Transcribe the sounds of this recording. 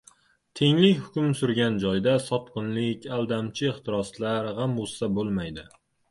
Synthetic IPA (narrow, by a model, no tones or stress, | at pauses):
t̪ʰe̞ŋlɪkʲhʊkʲʊmsʊɾɡʲand͡ʒɒjd̪asɒt̪qɨnlɪkʲalˠd̪amt͡ʃʰɪeχt̪ʰɪɾɒslaɾhamolsabolˠmajd̪ɪ